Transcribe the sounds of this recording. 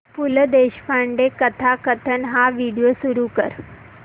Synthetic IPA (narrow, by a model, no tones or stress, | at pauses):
puləd̪eɕfaɳɖekət̪ʰakət̪ʰənɦaʋiɽijosuɾuːkə̰ɾ